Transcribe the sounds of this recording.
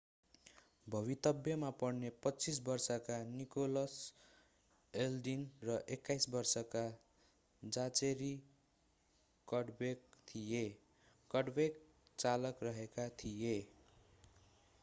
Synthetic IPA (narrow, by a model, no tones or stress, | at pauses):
bʱʌβit̪ʌbjʌmapʌrnepʌt͡sis̬bʌrsʌkanikolʌs | elɖinrʌʔekːajsbʌrsʌka | d͡zat͡seɾi | kʌɽbek̚t̪ʰije | kʌɽbek̚ | t͡salʌkrʌɦekat̪ʰije